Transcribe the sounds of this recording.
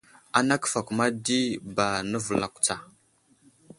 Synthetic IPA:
a˨na˦kfa˨ku˨ma˦di˦ba˨nə˦və˨la˨ku̥˨t͡sa˨

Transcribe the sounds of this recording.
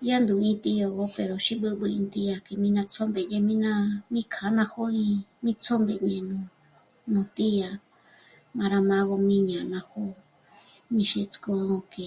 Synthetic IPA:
ja˦nd̪u˨ĩ˧t̪i˧jo˧˨ɣo˦pe˨ɾo˨ʃi˦bɨ˦˧βɨ˧ĩ˧nt̪i˧˦ja˧ke˧mĩ˦nã˧t͡so˦mbe˨je˧mĩ˦nã˦˧mĩ˦kʰa˨˦nã˧ho˦ĩ˧mĩ˦t͡so˦mbe˧˨ɲẽ˧nũ˧ | nũ˨t̪i˦ja˧ | mã˧ɾa˧mã˦ɣo˧mĩ˦ɲã˨˧nã˧ho˦ | mĩ˧ʃe˧t͡sko˧õ˧ke˧

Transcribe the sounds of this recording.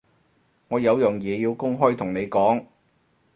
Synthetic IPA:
ŋɔː˨˧jɐ˨˧wjʊ˨˩ŋjɛː˨˧jiː˧wkʊ˥ŋɦɔː˥jt̪ʰʊ˨˩ŋne˨˧jkɔː˨˥ŋ

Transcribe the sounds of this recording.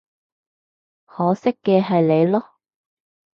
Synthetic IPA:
hɔː˨˥sɪ˥kːɛː˧ɦɐ˨jle˨˧jlɔː˥

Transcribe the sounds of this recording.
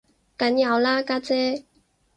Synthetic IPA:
ka˨˦nja˨˩wla˦ka˥t͡sɛ˦

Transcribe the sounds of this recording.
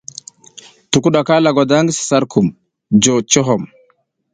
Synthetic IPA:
tu˨ku˦ɗa˨ka˦la˨ɡa˨da˦ŋɡsi̥˨sa˦ɾku˨m | d͡ʒo˨t͡ʃo˦ɦo˨m

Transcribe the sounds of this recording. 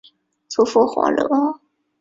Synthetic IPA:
t͡sʰu˧˥fu˥˩xwɑ̰˧˥ŋlɤ˧˥

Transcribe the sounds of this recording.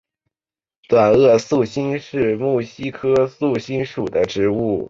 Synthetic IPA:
t̪wa˨˩nɤ˥˧su˥˩ɕi˥nʂɻ̩˥˧mu˥˩ɕi˥kʰɤ˥su˥˩ɕi˥nʂu˨˩d̪ə˦ʈ͡ʂɻ̩˧˥u˥˩

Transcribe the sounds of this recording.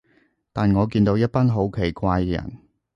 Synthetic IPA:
t̪aː˨nŋɔː˨˧k̬iː˧nt̪o˨˧wjɐ˥t̚pɐ˥nɦo˨˥wkʰe˨˩jkʷaː˧jkɛ˧jɐ̰˨˩n

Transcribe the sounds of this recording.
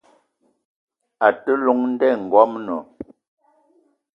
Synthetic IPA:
a˨tə˦lu˨˦ŋn̩˦dɛ˦˨ŋ̩˨ɡwɔ˦mnɔ˨

